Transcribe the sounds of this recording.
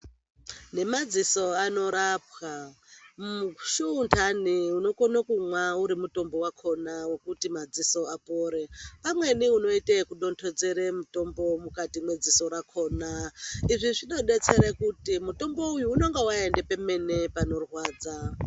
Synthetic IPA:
ne̞mad͡ziso̞ano̞ɾap̚wa | uʃuːntʰaniuno̞ko̞nakumwauɾimuto̞mbo̞wakʰo̞nawekutimad͡ziso̞apoːɾe̞pamwe̞niuno̞itekuɗo̞ntʰo̞d͡ze̞ɾemuto̞mbomukatimwe̞d͡ziso̞ɾakʰo̞ːnaiʐiʐiɗo̞ɗe̞t͡se̞ɾekutimuto̞mbo̞ujuːno̞ŋɡewaende̞pe̞me̞ne̞pano̞rwaːd͡za

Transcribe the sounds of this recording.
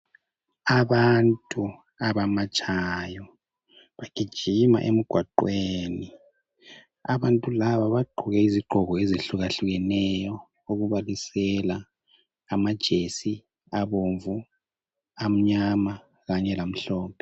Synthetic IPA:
aβantʼu | aβamat͡ʃʼajɔ | βaɡ̥ʱid̥ʒ̥ʱima̰ʔḛm̩ɡ̥ʱwaǃweːni | a̰βantʼulaβaβaɡ͡ǃʱuɣɛiziɡ͡ǃʱɔɣɔeziɬuɣaɬuɣɛnɛjɔ | oɣuβalisɛlaː | mad̥ʒ̥ʱesi | aβoɱvu | am̩ɲama | ɣaɲɛlam̩ɬɔːpʰɛ

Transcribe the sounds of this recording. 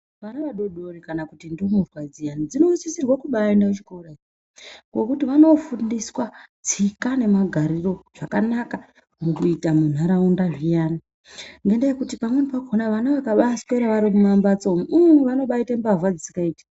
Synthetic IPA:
ʋanaʋaɗo̞ɗo̞ɾekanakutindomurwad͡zijanid͡zino̞sisirwakuɓaendaet͡ʃi̥koɾa | ŋɡwokutiʋano̞fundiswat͡sikane̞maɡʱaɾiro̞ʐ̥akanaka | mukuitamun̤aɾaundaʐijaːni | ŋɡendejekutipamwenpakonaʋanaʋakaɓaskeɾaʋaɾikumambat͡somuʋano̞ɓaitambavwad͡zisikaiːtḁ

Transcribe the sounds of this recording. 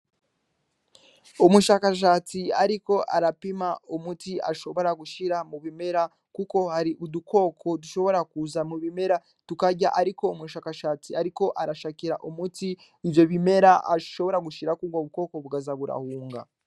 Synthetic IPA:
omuʃaːkaʃ̬aːt͡siaɾiko̞ʔa̰ɾapimaumutia̰ʃo̞βo̞ɾaɡuʃiɾamuβime̞ɾa | kuko̞haɾiʔuduko̞kʰo̞duʃo̞βo̞ɾakuzamuβime̞ɾa | tukaɟa̰ʔaɾiko̞umuʃaːkaʃaːt͡siaɾiko̞ʔaɾaʃakiɾaʔumutiː | vjo̞βime̞ɾaʔa̰ʃo̞βo̞ɾaɡuʃiɾakuɡaβuko̞ko̞βuɡazaβuɾa̰huːŋɡa̰

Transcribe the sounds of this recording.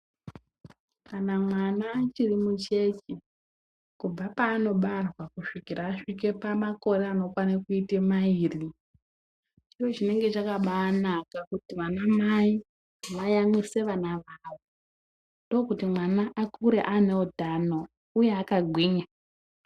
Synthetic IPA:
kanamwanat͡ʃirimut͡ʃe̞t͡ʃi | kub͡vapaːno̞ɓarwakuʂikiraːʂike̞pamako̞ɾe̞ano̞kwanakuitemaiːri | t͡ʃiro̞ʐine̞ŋɡe̞t͡ʃakaɓaːnakakutiʋanamai | ʋajamise̞ʋanaʋaʋo | ndo̞kutimwanaʔakʰuɾe̞ʔaneodʱano̞ | uje̞akaɡʱwiːɲa

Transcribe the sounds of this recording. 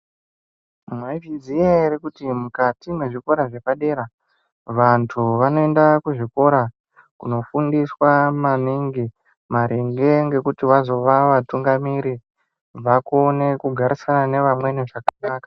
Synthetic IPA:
maivid͡zijaiɾikutimukatimwe̞ʐiko̞ɾaʐe̞paɗe̞ɾa | ʋantʰuʋano̞e̞ndakuʐiko̞ɾa | kṵno̞fundiswamaniŋɡi | maɾeŋɡe̞ŋɡe̞kutiʋazo̞ʋaʋatuŋɡamiɾi | ʋako̞ne̞kuɡʱaɾisanane̞ʋamwe̞niʐakanaːkḁ

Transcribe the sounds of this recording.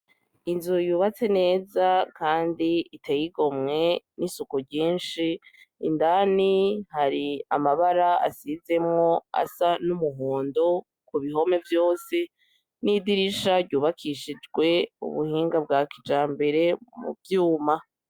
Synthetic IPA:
inzujuːβat͡se̞ne̞ːzakaːndiitʰe̞jiɡo̞mŋe̞nisukuɟiːnʃiː | ndanihaɾia̰maβaɾaa̰size̞mŋo̞a̰sanumuɦoːndo̞ | kuβiɦo̞me̞vjo̞ːse̞ | nidiɾiʃaɾɟuːβakʰiʃid͡ʒɡwe̞ṵβṵhiːŋɡab̚ɡaːkid͡ʒaːmbe̞ɾe̞mṵbjuːma

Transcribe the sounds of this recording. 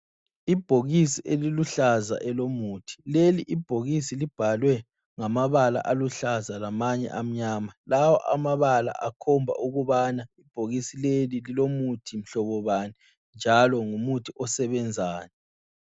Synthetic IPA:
ib̥ʱoɣisiʔeliluɬaza̰ʔɛlomuːtʰi̥leliʔib̥ʱoɣisilib̥ʱalwɛ | ŋamaβala̰ʔaluɬazalamaɲɛ̰ʔam̩ɲaːmalawɔ̰ʔa̰maβala̰ʔa̰kʰɔmbʱa̰ʔuɣuβanaib̥ʱoɣisilelililomutʰim̩ɬɔβɔβanɛ | nd͡ʒʱalɔŋumutʰiʔɔsɛβɛnd͡zʱaːnɛ

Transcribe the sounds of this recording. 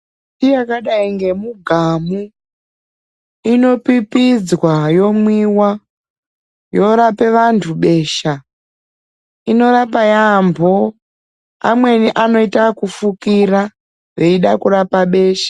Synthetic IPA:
tijakaɗaiŋɡe̞muɡʱamu | ino̞pipid͡zwajo̞mwiwa | jo̞ɾape̞ʋantʰuɓe̞ːʃa | ino̞rapajambʱo̞ | a̰mwe̞niʔano̞itakufukiɾa | ʋe̞iɗakuɾapaɓe̞ːʃḁ

